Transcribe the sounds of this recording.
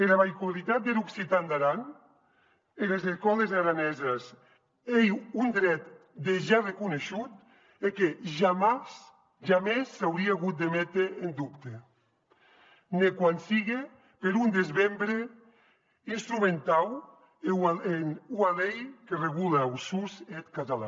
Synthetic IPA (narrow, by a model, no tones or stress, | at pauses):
eɾaβajkwalit̪at̪̚d̪eɾuksit̪and̪aɾan | enlezeskɔlezaɾanɛzes | ejund̪ɾɛt̪d̪eʒarekuneʃut̪ | ekeʒamas | ʒamesːawɾiaaɣut̪̚d̪emɛt̪ɾeːnd̪upt̪e | nekwansiɣe | peɾund̪ezβembɾe | inst̪ɾument̪aw | eenualejkereɣ̞ulawsuset̪kat̪ala̰